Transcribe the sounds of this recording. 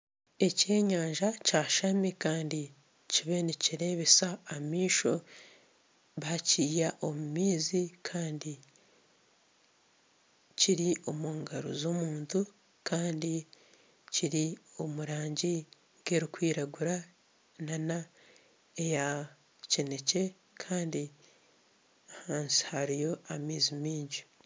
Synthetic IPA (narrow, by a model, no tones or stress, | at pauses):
e̞ce̞ːɲaːɲʒacaːʃamikaːndi | ciβe̞niciɾe̞ːβesaːmiːʃo̞ | βaciːjaʔo̞mumiːzikʰaːndi | ciɾiʔo̞muːŋɡaɾo̰zo̞ːmuːntu | kʰaːndi | ciɾio̞muɾaːɲɟi | ɡe̞ɾikwiːɾaɡuɾa | nana | eja | cine̞ce̞ | kʰaːndi | haːnsi̥haɾijo̞amiːzimiːɲɟi̥